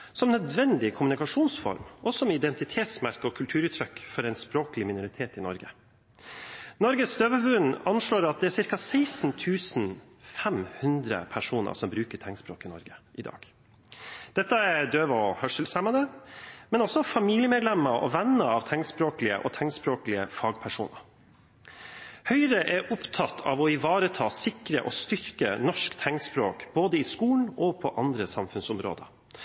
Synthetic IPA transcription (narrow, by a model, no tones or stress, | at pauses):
sɔmnœd̪ʋɛnd̪ɪkʰʊmʉnɪkɑʂuːnsfɔ̰ɾmʔɔsɔmɪd̪ɛnt̪ɪt̪ʰeːt̪smæɾkəɔkʰʉlt̪ʰʉːɾʉːt̪ʰɾœkːfɔɾɛɪnspɾoːklɪmɪnʊɾɪt̪ʰeːt̪ɪnɔɾɡə | nɔɾɡəsd̪øːʋəʋʉnɑnʂɭoːɾɑt̪̚d̪ɛæɾsɪɾkɑsæɪsnt̪ʰʉːsn | fɛmhʉnd̪ɾə̰pʰæʂuːnə̰ʂɔmbɾʉːkəʈʰɛŋspɾoːkɪnɔɾɡəʔɪd̪ɑ̰ːɡ̥ | d̪̥ɛt̪ːəæɾd̪øːʋɔhœʂəlsæmɑd̪ɛmɛnɔsɔfɑmiːljəmɛːd̪lɛmːəɾʔɔ̰ʋɛnːəɾɑʋt̪ʰɛŋspɾoːklɪə̰ʔɔt̪ʰɛŋspɾoːklɪəfɑːɡpʰæʂuːnəɾ | hœʏɾəʔɛɾʔʊpt̪ʰɑt̪ʰːɑ̰ʋɔɪʋɑːɾət̪ʰɑːsɪkɾəʔɔst̪ʏɾkənɔʂkt̪ʰɛŋspɾoːkb̥oːd̪əɪskuːn̩ɔpʰɔʔɑnd̪ɾəsɑmfʉnsʊmɾo̰ːd̪ə̰